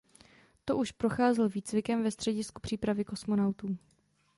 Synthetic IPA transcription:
t̪o̞ʔuʃpɾo̞xaːzɛlviːt͡svɪkɛmvɛst̪r̥ɛɟɪsku̥pr̥iːpɾavɪko̞smo̞nawt̪uː

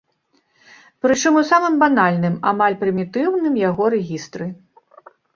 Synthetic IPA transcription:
pɾɨt͡ʂɨmusamɨmbanalʲnɨma̰malʲpɾɨmʲit̪ɨwnɨmjaɣɔɾɛɣʲist̪ɾɨ

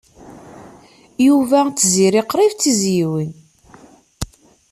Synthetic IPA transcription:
juvæt͡sːziɾiqɾˤivt͡sːizjiwin

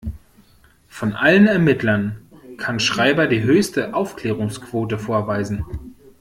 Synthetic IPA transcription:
fɔnʔalənɛɐmɪtlɐnkʰanʃʁ̥aɪbɐdiːɦøːçstəʔaʊfkl̥ɛːʁ̞ʊŋskv̥oːtəfoːɐvaɪzn̩

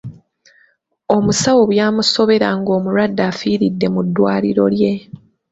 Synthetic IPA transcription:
o̞musawo̞βjaːmuso̞βe̞ɾaŋɡo̞ːmuɾwadːafiːɾidːe̞mudːwaːliɾo̞̰lje̞

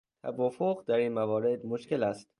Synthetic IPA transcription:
t̪ʰæ̰vɒːfoɣd̪æɾiːnmævɒːɾe̞d̪moʃke̞læst̪

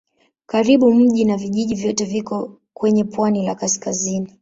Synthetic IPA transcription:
kaɾiɓum̩ʄinaviʄiʄivjɔtɛvikɔ | kwɛɲɛpwanilakaskazini

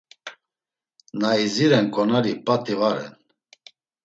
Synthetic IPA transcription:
naiziɾɛnkʼɔnaɾipʼat̪ʼivaɾɛ̰n

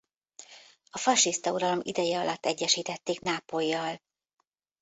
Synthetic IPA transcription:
ɒfɒʃist̪ɒuɾɒlo̞mḭd̪ɛjɛɒlɒt̪ːɛɟːɛʃiːt̪ɛt̪ːeːknaːpojːɒl

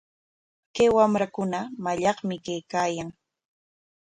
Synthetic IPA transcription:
kawamɾakʊnamaʎɑχmɪkejkaːjaŋ

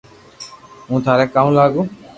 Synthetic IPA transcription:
ũːt̪ʰaːɾɛːkaːũːlaːɡũː

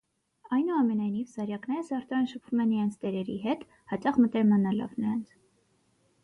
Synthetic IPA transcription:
ɑjnuɑmɛnɑjnivsɑɾjɑknɛɾəsɑɾt̪ɑɑnʃəpʰv̥umɛnːəɾɑnt͡sʰt̪ɛɾɛɾḭɦɛt̪ | hɑt͡ʃɑχmət̪ɛɾmɑnɑlɑ̰vnəɾɑnt͡sʰ

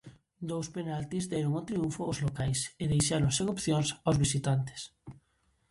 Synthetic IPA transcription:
d̪owspenalt̪izd̪ɛɾoŋot̪ɾiuɱfʊːzlokajseðejʃaɾoŋseŋopθjoŋsawzβisit̪ant̪ɪ̥s

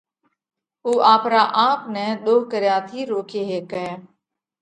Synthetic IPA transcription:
oːʔaːpɾaːʔaːpnɛ̃ːɗ̪oːɦkəɾjaːt̪ʰiːɾoːkʰeːɦeːkɛː

